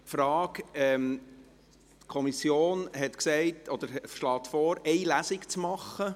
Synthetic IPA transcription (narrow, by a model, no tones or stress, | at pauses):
fɾɑːkɛm | tkʰɔmisjoːnɦɛtksɛɪtɔd̥̪əɾʃlɑːt̪fɔːɾɛɪlæsɪkt͡smɑχə